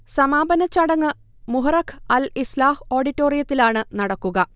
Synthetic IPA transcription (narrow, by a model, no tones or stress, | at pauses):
sɐmaːbɐnɐt͡ɕːɐɽɐŋːɨ | muɦɐrɐkʰɐlislaːho̞ːɖitːo̞ːrijɐt̪ːilaːɳɨnɐɽɐkːuɣɐ